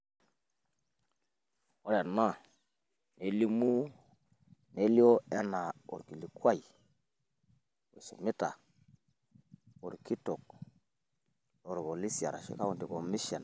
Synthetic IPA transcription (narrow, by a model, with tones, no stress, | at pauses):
wo˦ɾe˨na˦ | ne˨li˦mu˦ | ne˦li˦o˦e˦na˨o̰˨ɾki˨li˨kwa˦˨i˨ | o̰˨su˨mi˦ta̰˨ | o˨ɾki˦to˨k̚ | o˨ɾbo˨li˦si˨a̰˨ɾa̰˨ʃḭ˦ka˦u˨nti˨ko˨mi˦ʃe˨n